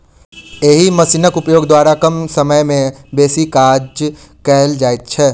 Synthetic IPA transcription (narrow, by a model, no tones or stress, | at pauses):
eːɦimɐsinəkʊpjoːɡd̪waːɾakɐmsɐməjmẽbeːsikaːd͡ʒ | kɛɦld͡ʒaːet̪̚t͡ʃʰɛː